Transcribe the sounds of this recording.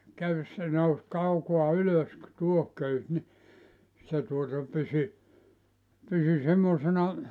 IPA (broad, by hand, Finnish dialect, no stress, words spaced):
køys se nous kɑukoɑ yløs tuohkøys ni se tuotɑ pysy pysy semːoˑsenɑ